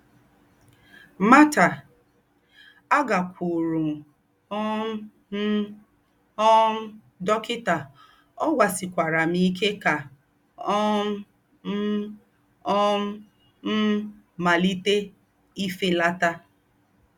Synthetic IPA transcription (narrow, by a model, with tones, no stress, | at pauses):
ma˦ta˨ | a˦ɡa˨kʷʰu˨ɾu˨ | ɔ˦m˦ | m˦ | ɔ˦m̩˦ | dɔ˦kɪ˦ta˨ | ɔ˦ɡʷa˨sɪ˨kʷa˨ɾa˨mi˦˨˦kʰe˦ka˨ | ɔ˦m˦ | m̩˦ | ɔ˦m̩˦ | m̩˦ | ma˨li˦te˦ | i˦fe˦la˦ta˦